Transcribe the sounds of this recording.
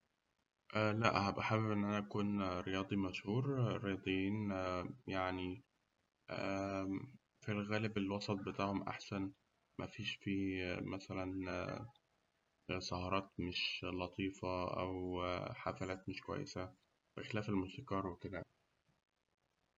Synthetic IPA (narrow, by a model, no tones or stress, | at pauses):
ʔælæʔhæbʔæħabebʔenːʔænæʔækuːnɾejɑːd̪ˤimæʃhuːɾɾejɑːd̪ˤjiːnjaʕni | ʔæ | filɣæːlebelwɑsˤɑt̪̚bet̪aʕhomʔa̰ħsæn | mæfiːʃfiːmæsælæn | sˤɑhɑɾˤɑːt̪meʃlɑt̪ˤiːfɑʔæ̰wħafælæːt̪meʃkwæ̰jːḛsæ | b̥exelæːfelmost̪ɑkɑːɾˤweked̪æ